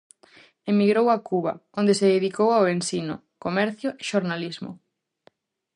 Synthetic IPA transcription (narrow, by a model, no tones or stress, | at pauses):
emiɣɾowakuβa̰ond̪eseðeðikowaoensinʊ̰ | komɛɾθjoʔeʃoɾnalizmʊ̰